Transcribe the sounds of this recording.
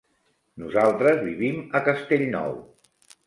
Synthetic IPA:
nuzalˠt̪ɾəzβiβiməkəst̪eʎnɔ̰w

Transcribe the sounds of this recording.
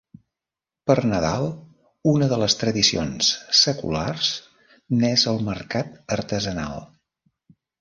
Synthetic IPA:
pərnəðalˠ | unəðələst̪ɾəðisionsːəkṵlarz̥ | nɛzəlˠməɾkat̪əɾt̪əzəna̰lˠ

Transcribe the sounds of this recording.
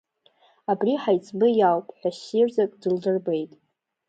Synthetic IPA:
abriħajt͡sʰʼbɨjalpʰʼħʷᶣaɕirzakʼdɨldɨrbe̞jtʼ

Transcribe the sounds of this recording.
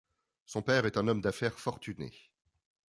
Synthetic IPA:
sɔ̃pɛʁɛt̪ɛ̃nɔmd̪afɛʁfɔʁt̪ʰynḛ

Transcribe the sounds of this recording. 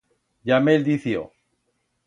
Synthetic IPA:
ʎameld̪iθjo̰

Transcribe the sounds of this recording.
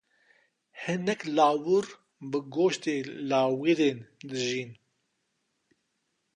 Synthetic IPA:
hɨnɛklaːwuɾ | bɨɡoːʃt̪eːlaːwiɾeːnd̪ɨʒiːn

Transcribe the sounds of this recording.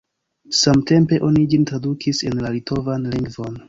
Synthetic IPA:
samte̞mpe̞ʔo̞nid͡ʒintɾadukʰise̞nlalitʰo̞vanliŋɡvo̞n

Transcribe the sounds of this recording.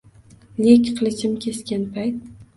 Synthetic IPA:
nekʲqʰɨlˠɪʃɪmkʲʰe̞skʲanpʰajt̪̚

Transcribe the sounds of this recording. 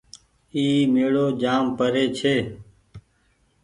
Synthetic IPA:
iːmeːɽoːd͡ʒaːmpəɾeːt͡ʃʰeː

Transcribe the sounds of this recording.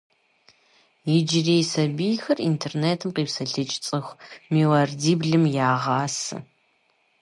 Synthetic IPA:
jɪd͡ʒɪreːjsɐbijxɐrintʰeːrneːtʰɨmqiːpsɐɬɨt͡ʃʼt͡sʼɨxʷmiːwɐrdiːbɮɨmjaːʁɑːsɨ̰

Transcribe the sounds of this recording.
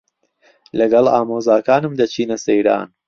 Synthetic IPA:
lɐɡɐla̰ːmoːzaːkaːnɨmd̪ɐt͡ʃʰiːnɐsejɾa̰ːn

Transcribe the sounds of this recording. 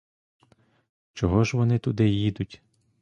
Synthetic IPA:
t͡ʃɔɦɔʒʋɔnɪt̪ʊd̪ɪjid̪ʊtʲ

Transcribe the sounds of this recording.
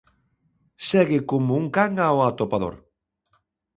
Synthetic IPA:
sɛɣɪkomʊuŋkaŋaoat̪opaðo̰ɾ

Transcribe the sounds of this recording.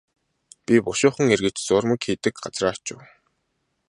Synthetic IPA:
pʲipʊʃʊːχə̆ŋerɣɘ̆t͡ɕt͡sʊːrmə̆kxiːt̪ɘ̆kɢat͡sraːwʰt͡ɕʊ̰̆w

